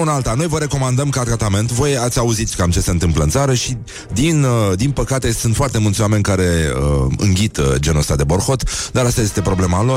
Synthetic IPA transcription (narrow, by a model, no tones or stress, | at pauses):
unalt̪ano̞jvəɾe̞ko̞mand̪əmkat̪ɾat̪ame̞nt̪vo̞jat̪sʲauzit̪sʲkamt͡ʃe̞se̞ɨnt̪ɨmpləɨnt̪saɾəʃi | d̪ind̪inpəkat̪e̞sunt̪foart̪e̞mult̪sʲoame̞nʲkaɾe̞ə̰ɨ̰ŋɡʲit̪d͡ʒe̞nosad̪e̞bo̞rxo̞t̪d̪aɾast̪aje̞st̪e̞pɾo̞ble̞malo